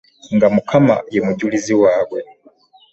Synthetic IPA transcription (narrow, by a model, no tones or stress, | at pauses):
ŋɡamukʰama̰jemuɟuliziwaːwe̞